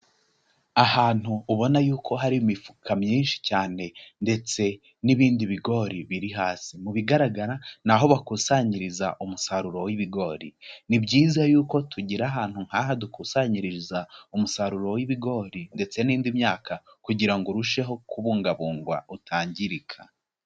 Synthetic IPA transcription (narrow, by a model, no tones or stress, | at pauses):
ahaːn̥huːβo̞najuːkʰo̞ɦaɾiimifu̥kʰamɲiːnʃi̥caːne̞nde̞t͡se̞ | niβiːndiβiɡo̞ɾiβiɾiɦaːsimuβiɡaɾaɡaɾan̥aɦo̞βakusaɲiɾiza̰ʔumusaɾuɾo̞wiβiɡo̞ːɾinibɟiːzajuːko̞tʰuɟiɾaɦaːn̥huŋ̥haːɦadukusaɲiɾiɾizaumusaɾuɾo̞wiβiɡo̞ːɾinde̞t͡se̞niːndimɲaːkʰa | kuɟiɾaŋɡoɾuʃe̞ɦo̞kuβuːŋɡaβuːŋɡwa̰utʰaːɲɟiɾikʰa